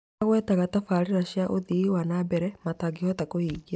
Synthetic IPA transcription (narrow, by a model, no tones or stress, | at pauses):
aɣwɛtaɣatafaːɾeɾaɕjaʔoðiwanabɛɾɛmataɡihɔtakohiːɡia